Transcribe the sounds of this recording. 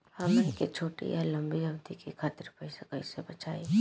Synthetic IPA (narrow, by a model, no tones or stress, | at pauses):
hɐmeket͡ʃʰoːʈḭjalɐ̃mbiɦɐbt̪ikikʰaːt̪ɪɾpɐɪsekɐɪsebɐt͡ʃaːe